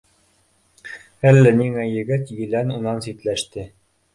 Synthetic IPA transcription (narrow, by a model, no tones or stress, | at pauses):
ælːæniŋæjɘ̆ɡɘt̪jɘ̆lænunɑnsit̪læʃt̪ɘ